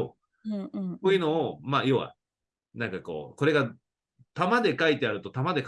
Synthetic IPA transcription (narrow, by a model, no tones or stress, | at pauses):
õ̰ | soːjɯ̟no̞ːmaːjo̞βa̰ | nãŋkako̞̰ːko̞ɾe̞ɡa | t̪amad̪e̞kait̪e̞aɾɯ̟t̪o̞t̪amad̪e̞k